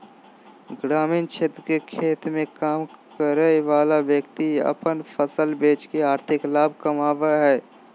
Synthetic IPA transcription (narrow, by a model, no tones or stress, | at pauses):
ɡɾaːmiːnt͡ʃʰeːt̪ɾkekʰeːt̪mẽkaːmkəɾəʋaːlaʋjəkt̪iɐ̰pənfʰəsəlbeːt͡ʃkeaːɾt̪ʰɪklaːb̚ʱkəmaːʋaɦɛː